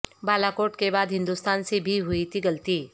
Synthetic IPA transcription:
baːlaːkoːɾʈkebaːd̪ɦɪ̃nd̪ʊst̪aːnsibʱiɦʊit̪ʰiɡɐlt̪iː

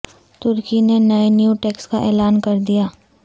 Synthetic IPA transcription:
t̪ʊɾkinenɐenjuːʈeːkskaʔɛːlaːnkɐɾd̪ijaː

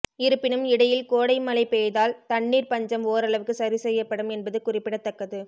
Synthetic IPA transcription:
ɪɾɯpːɪnɯmɪɽɐjɪlkoːɽɐɪmɐlɐɪpeːjðaːlt̪ɐɳːiːɾpɐɲd͡ʒɐmoːɾɐɭɐʋɯkːɯsɐɾisɛjːɐpːɐɽɯmɛnbɐðɯkʊrɪpːɪɽɐt̪ːɐkːɐðɯ

